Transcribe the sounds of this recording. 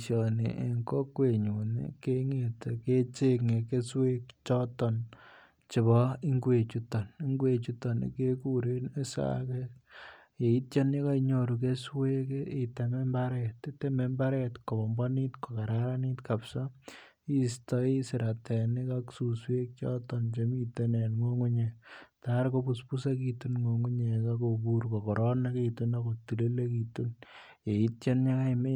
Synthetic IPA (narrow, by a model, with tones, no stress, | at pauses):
ʃjɔ˨nḭ˨ʔḛ˨ŋko˦kwe˨ɲu˨nḭ˦ke˦ŋe˨te˨ke˦t͡ʃe˦ŋe˨ke˦swe˦k̚t͡ʃɔ˦tɔ˨n | t͡ʃɪ˨βɔ˦i˦ŋɡwe˨t͡ʃu˦tɔ˨ni˦ŋɡwe˨t͡ʃu˦tɔ˨nḭ˨ke˦ku˦ɾe˦ne˦sa̰˦kek | e˨i˦tjɔ˦ni˦ka˦iɲo˨ɾu˨ke˦swe˦ki˨tɛ˨mɛ˦mba˦ɾɛ˨ti˦tɛ˦mɛ˦mba˦ɾɛ˦tko˨bɔ˨mbɔ˦ni˦tko˨ka˨ɾaɾa˦ni˦tka˨psa˦ | i˦stɔ˦i˦sɪ˨ɾa˨tʰɛ˨ni˦kaksuswe˦k̚t͡ʃɔtɔnt͡ʃe˦mi˦te˦ne˨nŋo˦ŋu˦ɲe˨taɾko˦pu˨spu˦sa˦kitunŋo˨ŋu˦ɲe˨kako˨buɾkɔ˨kɔɾɔna˦kitunakoti˨le˦le˦ki˨tu˦nje˨i˦t̚t͡ʃa˦nɲa˦ka˦me